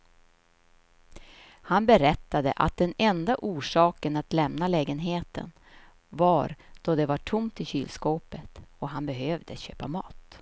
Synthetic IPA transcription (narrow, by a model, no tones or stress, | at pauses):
hanbɛɾɛt̪ːad̪ə̰ʔa̰t̪̚d̪ɛnɛnd̪aʔuːʂɑːkənat̪lɛmnalɛːɡənɦeːt̪ə̰n | vaɾd̪̥ɔd̪ɛvaʈʰʊmt̪ɪɕy̰ːlskoːpət̪ɔɦanbɛɦøvd̪əɕø̰ːpamɑ̰ːt̪